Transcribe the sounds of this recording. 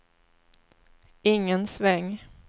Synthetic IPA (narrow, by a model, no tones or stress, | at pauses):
ɪŋːənsvɛŋː